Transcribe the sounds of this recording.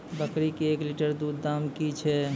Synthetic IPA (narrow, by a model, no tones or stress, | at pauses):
bəkɾikeːkliʈəɾd̪ud̪ːamkit͡ʃʰɛ